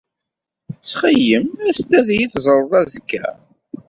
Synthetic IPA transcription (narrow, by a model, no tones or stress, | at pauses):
t͡sːχəjəmæst̪æðjiθzˤɾˤəðˤæzəkːæ̰